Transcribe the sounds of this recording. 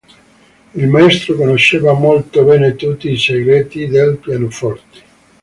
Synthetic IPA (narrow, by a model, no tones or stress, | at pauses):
ilmaest̪ɾokonoʃːeːvamolt̪obɛːnet̪ut̪ːiːseɡɾeːt̪id̪elpjanofɔrt̪e̥